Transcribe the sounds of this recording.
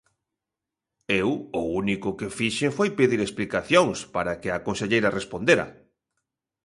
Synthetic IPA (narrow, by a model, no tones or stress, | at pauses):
ewʊunikʊkefiʃeŋfojpeðiɾesplikaθjoŋspaɾakɪakonseʎejɾɐrespond̪eɾɐ̰